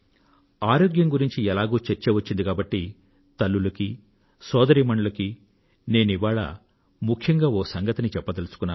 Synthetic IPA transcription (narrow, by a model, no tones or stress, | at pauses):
aːɾoːɡjɐŋɡuɾiɲt͡ʃiɛlaːɡuːt͡ʃeɾt͡ʃeːʋɐt͡ʃːind̪ikaːbɐʈːi | t̪ɐlːulɐki | sɔːd̪ɐɾiːmɐɳɐlɐki | ne̞ːniʋaːɭɐ̰ | mukʰjɐŋɡaːʋoːsɐŋɡɐt̪ɐnit͡ʃɛpːɐt̪ɐlusu̥kunːaː